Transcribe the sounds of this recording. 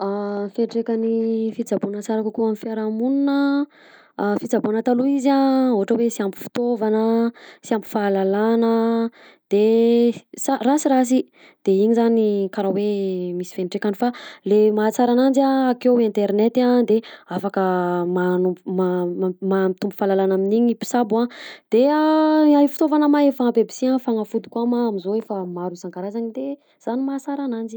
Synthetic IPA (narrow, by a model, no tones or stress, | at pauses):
afeɳʈ͡ʂekanifit͡sabunat͡saɾakukuamifiaɾamununə | fit͡sabonət̪aluizaoɦaʈ͡ʂəwesiampi̥fi̥t̪ovanəsiampi̥falalanə | d̪̥e | sarasiɾas̬i | d̪̥eiɲizanikaɾawemisi̥feɳʈ͡ʂekʲanifalemaːt͡saɾanand͡ziaːkewẽnt̪eɾnet̪ad̪eafakəmanuumaamamit̪umbu̥falalanaminiɲipi̥sabuãd̪̥eaajifi̥t̪ovanəmaefapebi̥siãfaŋəfud̪i̥kuamaːmizoefamaɾusaŋkaɾazanid̪e | z̥animat͡saɾanand͡ʒi̥